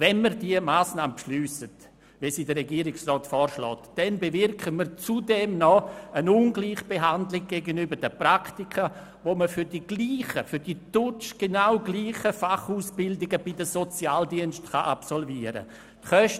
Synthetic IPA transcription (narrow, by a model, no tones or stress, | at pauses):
vɛnməɾdiəmaːsnaːməpʃlyːsət | visiːdəɾɛɡiːɾɪksrɔːtfɔːɾʃlɔ̰ːtd̥ɛnbevɪrkʰəməɾt͡sudɛmnɔənunɡliːχb̥eɦandlɪɡ̚ɡ̥eɡənybəɾd̥əpraktikʰə | voːməfʏɾdiɡ̥liːχəfʏɾdid̥ʊt͡ʃɡ̥enaʊɡliːχəfaχuːsb̥ɪldɪɡəb̥idəsot͡sjaːldiənʃtχaʔapsɔlviːəɾə̰ | tχœʃ